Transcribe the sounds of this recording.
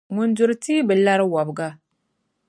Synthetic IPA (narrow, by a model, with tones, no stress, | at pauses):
ŋu˨nd͡ʒu˨ɾti˦bə˨lːa˦ɾwa˨bɡa˦